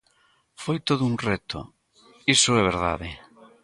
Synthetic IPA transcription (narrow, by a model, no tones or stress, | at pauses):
fojt̪oðʊuŋrɛt̪ʊ̰ | isʊɛβ̞eɾða̰ðɪ